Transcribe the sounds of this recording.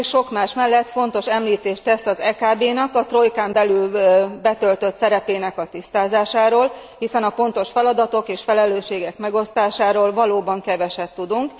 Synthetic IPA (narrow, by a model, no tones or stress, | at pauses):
ʃʃo̞kmaːʃmɛlːɛt̪fo̞nt̪o̞ʃɛmliːt̪eːʃt̪ɛsɒzɛkaːbeːnɒkɒt̪ro̞jkaːmbɛlylbɛt̪ø̞lt̪ø̞t̪sɛɾɛpeːnɛkɒt̪ist̪aːzaːʃaːɾoːlhisɛnɒfo̞nt̪o̞ʃfɛlɒd̪ɒt̪o̞keːʃfɛlɛløːʃeːɡɛkmɛɡo̞st̪aːʃaːɾoːlvɒloːbɒŋkɛvɛʃɛt̪ːud̪uŋk